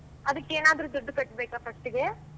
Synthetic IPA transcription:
ɐd̪ɯkːeːnaːd̪ɐɾud̪ɔɖːɯkɐʈːbeːkɐpɐkʈːiɡe

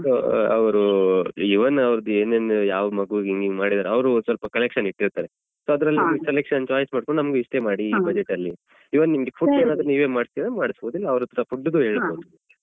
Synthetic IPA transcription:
soːɐ̰ʋɐɾuiʋɐnːɐʋɾɐd̪ueːneːnjaːʋɐmɐɡuʋiɡiŋɡiɡmaːɽid̪aːɾeɐʋɾusʋɐlpɐkɐlekʂɐniʈːiɾt̪aːɾe | soːɐd̪ɾɐlːiselekʂɐnt͡ʃaːjɐsmaːɖkoɳɖnɐmɐɡeiʂʈe̞maːɽiːbɐd͡ʒeʈːɐlːi | iʋɐnnimɡefʰuɖeːnaːd̪ɾɐniːʋemaːɽst̪iɾɐmaːɽisboːd̪ilːɐɐʋɾut̪ɐɾɐfuɖːud̪uɦe̞ːɭboːd̪u

